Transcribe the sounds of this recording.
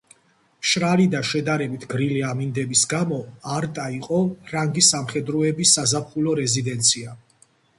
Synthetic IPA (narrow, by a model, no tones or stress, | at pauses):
ʃɾalid̪aʃɛd̪aɾɛbit̪ʰɡɾiliamind̪ɛbisɡamɔaɾt̪ʼaiqʼɔɾaŋɡisamχɛd̪ɾɔɛbisːazapχulɔɾɛzid̪ɛnt̪sʰia